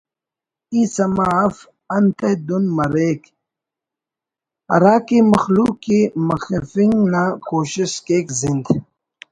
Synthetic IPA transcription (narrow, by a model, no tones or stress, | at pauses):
iːsɐmaːf | ɐnt̪ed̪unmɐɾeːk | ɐ̰ɾaːkimɐxluːkːimɐxɐfiŋɡnaːkoːɕiskeːkzind̪